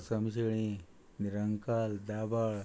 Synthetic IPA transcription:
səmɕ̬eɭ̃i | niɾəŋkaːld̪abaɭ

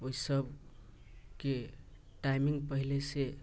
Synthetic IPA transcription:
oisəb | ke | ʈajmiŋɡpəɦilese

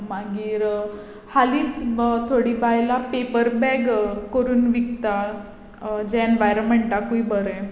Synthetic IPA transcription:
maɡiːɾ | haliːt͡st̪ʰoɽibʱajlapepəɾbɛɡkəɾuːnʋikt̪a | d͡ʑɛenʋajɾəməɳʈakuibəɾə

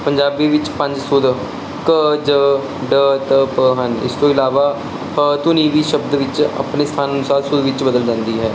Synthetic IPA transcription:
pəɲd͡ʒaːbiːʋɪt͡ʃpə̃ɲd͡ʒsʊd̪ | kəd͡ʒə | ɖəːt̪əpəɦənɪ̰st̪õːɪlaːʋaː | ət̪ʊnĩːʋiːʃəbd̪ʋɪt͡ʃa̰pneːst̪ʰaːnənʊsaːd̪sʊd̪ʋɪt͡ʃbəd̪əld͡ʒãːnd̪iːɦɛː

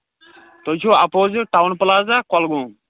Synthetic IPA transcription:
t̪ot͡ʃʰoapoːzɨʈawnpəlaːzakɔlɡũː

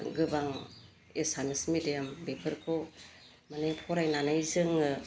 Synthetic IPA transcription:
ɡɯbaŋ | esanɯsmidijambepʰɯɾkʰɔ | manajpʰɔɾajnanɯjzɯŋɯ

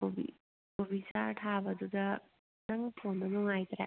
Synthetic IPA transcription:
obḭ | kobisaɾtʰabɐdudɐ | nɐŋpʰonːɐnuŋajt̪aɾa̰

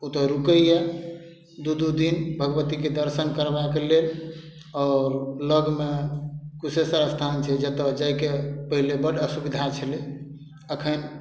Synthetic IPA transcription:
ut̪əɾukəjɛ | d̪ud̪ud̪inbʱəɡəʋət̪iked̪əɾsənkəɾbakelel | ɔːɾləɡmekusesəɾəst̪ʰant͡ʃʰɛd͡ʒet̪ɔd͡ʒajkepəɦilebəɽəsubid̪ʱat͡ʃʰəle | əkʰən

